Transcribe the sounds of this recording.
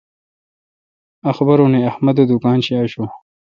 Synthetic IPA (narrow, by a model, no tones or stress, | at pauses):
ɐxbɐɾoneɐhmɐd̪od̪ukaːnɕiaːɕo